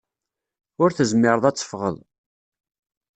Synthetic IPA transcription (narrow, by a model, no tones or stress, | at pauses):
ʊɾθəzmɪɾəðˤæt͡sːə̥fʁə̰l